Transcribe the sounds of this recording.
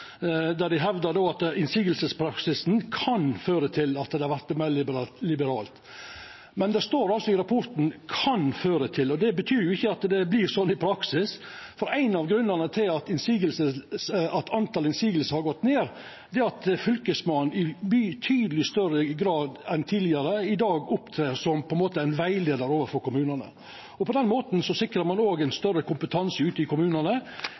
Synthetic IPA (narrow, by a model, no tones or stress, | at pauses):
d̪æɖ̪ɪɦɛʋd̪əɾɖ̪oːɑt̪ɪnsiːɡəlsəspʰɾɑksɪsnkʰɑnføːɾət̪ʰɪlɑt̪d̪ɛhɑɾʋæɾt̪mælɪlɪbəɾɑːlt̪ | mɛnd̪ɛst̪oːɾɑlsɔɪɾɑpʰɔɾt̪n̩kʰɑnføːɾət̪ʰɪlːɔd̪ɛbət̪ʰyːɾjʊɪçːəɑt̪d̪ɛbliːɾsɔnːɪpʰɾɑksɪsfɔɾæɪnɑʋɡɾʉnːəɾnət̪ʰɪlɑt̪ɪnsiːɡəlsəsɑt̪ʰɑnt̪ɑːlɪnsiːɡəlsəɾhɑɾɡɔt̪ːneːɾ | d̪ɛɑt̪fʏlkəsmɑnnɪbyːt̪ʰyːd̪əlɪst̪œɾəɡɾɑːd̪ɛnt̪ʰiːlɪɑɾəɪd̪ɑːɡʊpt̪ʰɾeːɾsɔmpʰɔɛnmoːt̪əæɪnʋæɪleːd̪əɾoːʋəɾfɔɾkʊmʉːnənə̰ | ɔpʰɔd̪ɛnmoːt̪n̩sɔsɪkɾəɾmɑnoːɡæɪnst̪œɾəkʰʊmpət̪ʰɑnsəʉːt̪əɪkʊmʉːnənə